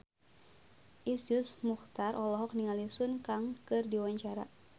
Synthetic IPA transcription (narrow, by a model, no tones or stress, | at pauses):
ʔisd͡ʒʊsmuxt̪arʔɔlɔɦɔk̚niŋalisʊnkaŋkɨrdiwaɲt͡ʃaɾa̰